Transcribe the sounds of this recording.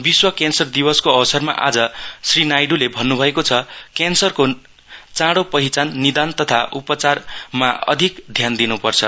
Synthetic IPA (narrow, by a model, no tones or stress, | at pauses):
biswʌkansʌrd̪ibʌskoʌbʌsʌrma̰ʔad͡zʌsrinajɖulebʱʌnːubʱʌekot͡sʰʌkansʌrko | t͡sãɽopʌɦit͡sanːid̪ant̪ʌt̪ʰaʔupʌt͡sarmaʌ̰d̪ʱikd̪ʱjand̪inupʌrt͡sʰʌ